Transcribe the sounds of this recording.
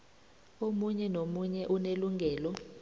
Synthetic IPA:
omuɲɛnomuɲɛʔuneluŋʱɛːlɔ

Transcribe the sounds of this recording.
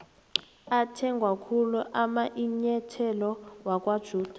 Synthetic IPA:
atʰɛŋɡʱwakʰuluʔamaʔiɲɛtʰɛlɔwakʼwad̥ʒ̥ʱuːd̥ʱa

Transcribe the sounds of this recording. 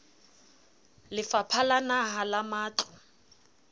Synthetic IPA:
lɪfapʰalanaɦalamaːt͡ɬʰɔ

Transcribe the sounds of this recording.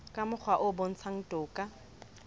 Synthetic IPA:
kʼamʊk͡xʰwaʔʊbon̩t͡sʰaŋ̩tʼʊːkʼa

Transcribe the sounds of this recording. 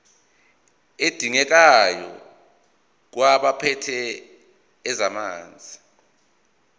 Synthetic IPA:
ed̥ʱiŋɛk̬ajɔ̰ | k̬waɓapʰɛtʰɛː | zamaːnd͡zʱi

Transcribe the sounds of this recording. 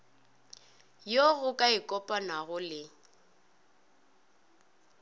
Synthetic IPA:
joɣʊkʼaɪkʼɔpʼɔnaɣʊlɪ

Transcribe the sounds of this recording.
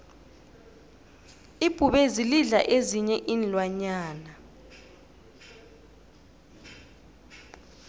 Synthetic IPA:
ib̥ʱuɓeziliɮa̰ʔeziɲɛʔinlwaɲaːna

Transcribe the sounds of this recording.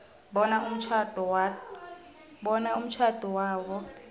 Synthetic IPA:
ɓɔnaum̩t͡ʃʰad̥ʱɔwa | ɓɔnaum̩t͡ʃʰad̥ʱɔwaːwɔ

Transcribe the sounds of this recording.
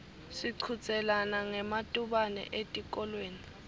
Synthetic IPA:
siǀʰut͡sʼɛlanaŋɛmatʼuɓanɛ̰ʔetʼik̬ʼɔlweːni

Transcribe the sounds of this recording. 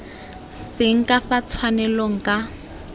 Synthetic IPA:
sɪŋ̩kʼafat͡sʰwanɛloŋ̩kʼa

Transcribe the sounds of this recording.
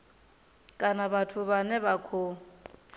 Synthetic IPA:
kʼanaβatʰʊβanɛβakʰo

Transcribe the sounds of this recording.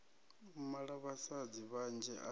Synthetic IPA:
umaɺaβasad͡ziβand͡ʒɛ̰ʔa

